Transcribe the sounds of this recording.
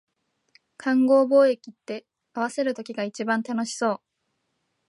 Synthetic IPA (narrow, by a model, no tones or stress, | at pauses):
kʰãŋɡo̞ːbo̞ːe̞kʲit̪ːe̞ | aβ̞ase̞ɾɯ̟t̪o̞kʲiɡait͡ɕibãnt̪ano̞ɕi̥so̞ː